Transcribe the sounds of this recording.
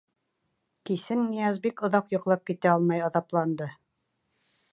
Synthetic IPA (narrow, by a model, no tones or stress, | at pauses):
kisɘnːijɑzbikŏðɑqjŏqlˠɑp̚kit̪æɑlˠmɑjɑðɑplˠɑnd̪ɤ